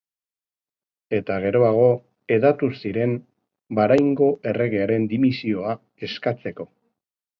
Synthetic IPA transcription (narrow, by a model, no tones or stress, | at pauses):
e̞t̪aɣ̞e̞ɾo̞aɣ̞o̞ | e̞ðat̪usiɾe̞m | baɾajŋɡo̞ʔe̞re̞ɣe̞aɾe̞nd̪imisio̞a | e̞skat͡se̞ko̞